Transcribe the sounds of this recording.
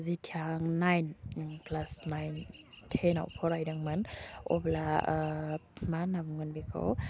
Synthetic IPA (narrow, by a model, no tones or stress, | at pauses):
zitʰiaŋnajnklasnajn | tʰena̰wpʰɔɾajdaŋmanɔ̰bla | manabuŋɯnbikʰa̰w